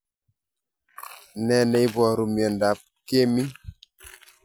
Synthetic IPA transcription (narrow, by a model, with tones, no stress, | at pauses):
nɛ˦˨nɛ˨˦i˦bwɔ˨ɾu˨mjɔ˨nda˨p̚ke˦mi˦